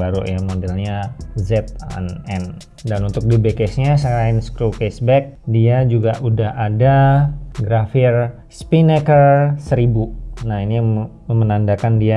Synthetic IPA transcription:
baɾṵjamodɛlɲazɛt̪̚a̰nɛn | danunt̪ʊk̚dibekɛsɲasəaɪnskɾukɛsbɛk̚diad͡ʒuɡaʔudahadaɡɾafɪr | spinekərsəɾibunaini | əmənandakandia

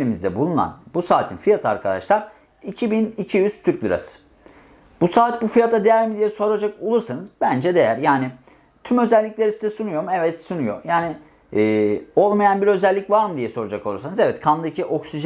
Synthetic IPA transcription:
lʲimizd̪ɛbulˠuna̰nbusaːt̪ʰinfijat̪ʰa̰ɾkʰad̪a̰ʃlˠaɾ | icʰibinicʰijyz̥t̪ʰyɾcʲlʲˠɯɾa̰sɯ̥ | b̥usaːt̪̚bufijat̪ʰad̪ejæɾmid̪ijɛso̞ɾad͡ʒako̞lˠuɾsanɯzbænd͡ʒɛd̪e̞jæɾjaːnɪ | t̪ʰymø̞zɛlʲːicʲlʲe̞ɾisizɛsunujo̞muɛvɛt̪sunujo̞̰jaːnɪː | o̞lˠmajanbiɾø̞zɛlʲːicvaɾmɯd̪ijɛso̞ɾad͡ʒako̞lˠuɾsanɯzɛvɛt̪kʰand̪ˠɯcʰiʔo̞ksiʒ

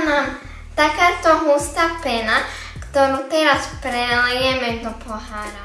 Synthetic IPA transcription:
nam | t̪akaːt̪ɔɦust̪apɛna | kt̪ɔɾuːt̪ɛɾaspɾɛljɛmɛd̪ɔpɔɦaːɾa

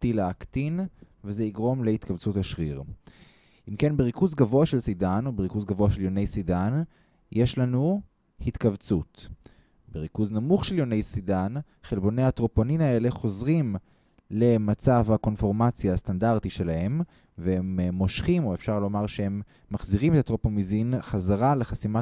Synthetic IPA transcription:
tilaːkt̪in | vezeiɡʁo̞mle̞hit̪kavt͡suthaʃʁiʁ | ʔimke̞nbeʁikuzɡavo̞aʃe̞lsidano̞beʁikuzɡavo̞aʃeljo̞ne̞jsidan | jeʃlanu | hit̪kavt͡sut | beʁikuznamuχʃe̞ljo̞ne̞jsidan | χelbo̞neat̪ʁo̞poninae̞le̞χo̞zʁim | le̞mat͡savhako̞nfo̞ʁmat͡sjaːst̪andaʁt̪iʃe̞lahe̞m | veemːo̞ʃχimo̞efʃaʁlo̞maʁʃehe̞mː | aχziʁimetat̪ʁopomizinχazaʁaleχasima

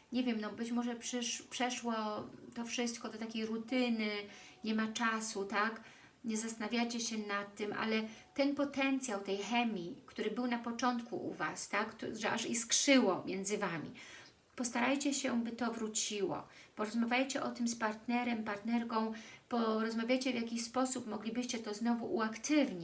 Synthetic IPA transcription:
ɲɛvʲjɛmnɔbɘt͡ɕmɔʐɛpʂɘʂpʂɛʂwɔt̪ɔfʂɘst̪̚kɔd̪ɔt̪akʲejɾut̪ɘnɘɲɛmat͡ʂasut̪ak | ɲɛzast̪anavʲjajt͡ɕɛɕɛnat̪ːɘmʔa̰lɛt̪ɛnpɔt̪ɛnt̪sʲjawt̪ɛjxɛmʲikt̪uɾɘbɘwnapɔt͡ʂɔnt̪kṵʔṵvast̪akʐɛʔaʂiskʂɘwɔmʲjɛnd̪zɘvamʲḭ | pɔst̪aɾajt͡ɕɛɕɛbɘt̪ɔvɾut͡ɕiwɔ̰ | pɔɾɔzmavʲjajt͡ɕɛʔɔt̪ɘmspaɾt̪nɛɾɛmpaɾt̪nɛɾkɔ̃w̃pɔɾɔzmavʲjajt͡ɕɛvʲjakʲiɕspɔsupmɔɡlʲibɘɕt͡ɕɛt̪ɔznɔvuʔuakt̪ɘvɲi

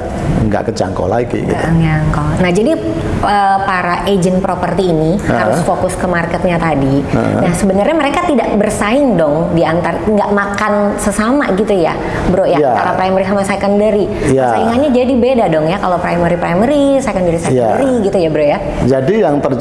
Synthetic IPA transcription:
ŋɡa̰ʔkət͡ʃa̰ŋkɔ̰la̰ɡḭɡḭtt̪aŋkonahd͡ʒadi | əːpaɾaʔed͡ʒənpɾopərt̪iːniha̰ɾʊsfokʊskəmarkɛt̪̚ɲat̪adiə̰nahsəbənərɲaməɾekat̪idaʔbərsaɪŋdɔŋdiant̪arŋɡaʔmakansəsamaɡit̪uja̰ | bəɾoʔjajaa̰ɾapɾajməɾisamasakəndəɾi | jasaiŋanɲad͡ʒadibedadɔŋjakalopɾajməɾipɾajməɾisaikəndəɾisajəadəɾiɡit̪ujabəɾoja | d͡ʒadijaŋt̪ər

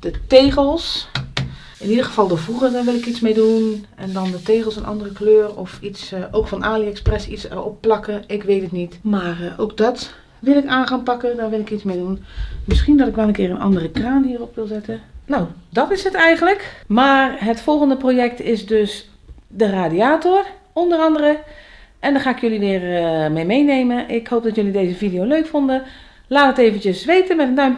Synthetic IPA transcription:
d̥əteːɣəlˠs | ɪnidəɣəv̥ɑlˠdəvuɣədɔnʋɪlˠɪkismejdunɛndɔndəteːɣəlˠsənʔɑ̰ndərəkløːrɔfisoːkfɔnʔaːliɛksprɛsisɛ̰rɔ̰pːlɑkəɪkʋeːtətnitmaːro̰ːk̚dɔt | ʋɪlˠɪkaːnχaːnpɑkədɔnʋɪlˠɪkitsmeːdunmɪsχindɔtɪkʋanənkɪːrənɑ̰ndərəkraːnɦiːrɔpʋɪlˠzɛtənowdɔtɪsɦətɛjɣənləkmaːrɦətfɔlˠɣəndəproːjɛktɪzdøs | dəraːdiaːtor | ɔndərɑndərəʔɛndɔχaːɪkjøliʋɪːrmejmejnejməʔɪkhowp̚dɔtjølidejzəvidijowløɥkfɔndə | laːtəteːvəntjəsʋejtəmɛtəndœɥm

